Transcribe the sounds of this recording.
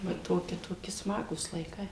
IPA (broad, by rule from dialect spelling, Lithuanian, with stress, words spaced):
ʋɐ ˈtoːkʲɪ toːˈkʲɪ ˈsmɑːɡuːs lˠɐɪˈkɐɪ